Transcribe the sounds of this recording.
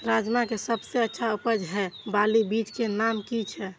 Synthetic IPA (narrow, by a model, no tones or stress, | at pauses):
ɾad͡ʒmakesəbseətːʃʰaupəd͡ʒɦɛbalibit͡ʃkenamkit͡ʃʰɛ